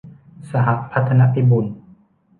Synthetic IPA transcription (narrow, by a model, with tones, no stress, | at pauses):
sa˧ɦa˧ʔpʰa˦t̪ʰːa˧na˧˥pʰi˦bu˨˩˨n